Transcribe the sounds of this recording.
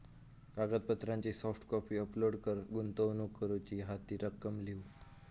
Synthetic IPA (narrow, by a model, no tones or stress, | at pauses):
kaɡəd̪̚pət̪ɾãɲt͡ɕisɔfʈkɔfiːəploɽkəɾɡunt̪əʋnukːəɾut͡ɕiːɦat̪iːɾəkːəmliu